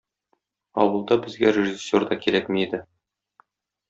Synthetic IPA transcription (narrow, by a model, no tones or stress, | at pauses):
ɒ̰wɤ̆lˠd̪ɑbɘ̆zɡæɾʲeʒisʲːord̪ɑkiɾækmiid̪ɘ